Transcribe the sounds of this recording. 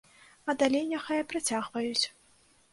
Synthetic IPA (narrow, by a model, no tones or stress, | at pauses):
ɐd̪alʲejnʲaxajɐpɾat͡sʲaɣvɐjut͡sʲ